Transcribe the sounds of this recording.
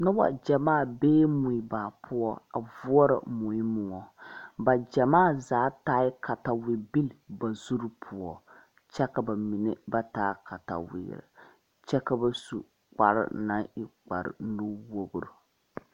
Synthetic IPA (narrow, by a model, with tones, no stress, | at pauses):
nʊ˦wa̰˨d͡ʒɛ˨maː˦˨beː˦mʊ˨i˨baː˨pʰʊ˦ɔ˦a̰˨vʊ˦ɔ˦ɾa̰˨mʊ˨i˦mʊ˨ŋɔ˨ba˨d͡ʒɛ˨maː˦˨zaː˨˦taː˦ɪ˦ka˨ta˨wɪ˨bi˦lba˨zu˦ɾpʰʊ˨ɔ˨ | t͡ʃɛ˦ka˨ba˨mi˨nɛ˦ba˦taː˦ka˨ta̰˨wɪ̰ː˨ɾɪ̰˨ | t͡ʃɛ˦ka˦ba˦su˨ | k͡pa˨ɾɪ̰˦na˦ɪ˦k͡pa̰˨ɾɪ̰˨nu˦wo˦ɡʊ˨ɾʊ˨